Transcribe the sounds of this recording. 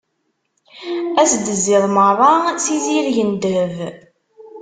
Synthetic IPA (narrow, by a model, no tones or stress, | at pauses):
æsd̪əzːɪðˤmərˤɑsiziɾʝənd̪əv